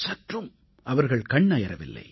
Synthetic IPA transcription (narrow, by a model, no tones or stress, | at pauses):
sɐʈrɯm | ɐʋɐɾɣɐɭkɐɳːɐjɐɾɐʋɪlːɐ̰ɪ